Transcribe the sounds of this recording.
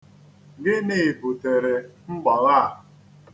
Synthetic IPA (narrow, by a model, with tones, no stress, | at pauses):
ɡɪ˦ne˦˨bʊ˨te˨ɾe˨ŋ͡m̩˦ɡ͡bɔ˨ɾa˦a˨